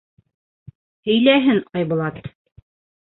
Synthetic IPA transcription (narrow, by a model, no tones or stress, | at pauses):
hɵ̆jlæɦɘŋqɑjbŭlˠɑt̪